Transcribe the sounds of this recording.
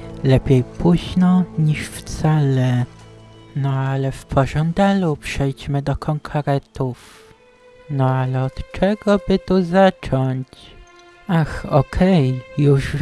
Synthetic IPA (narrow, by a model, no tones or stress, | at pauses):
lɛpʲjejpuʑnɔɲiʂft̪salɛ | nɔalɛfpʰɔʐɔnd̪alupʂɛjd͡ʑmɘd̪ɔkʰɔŋkʰaɾɛt̪uf | nɔalɛɔt̪t͡ʂɛɡɔbɘt̪uzat͡ʂɔɲt͡ɕ | axɔkʰɛjjuʂ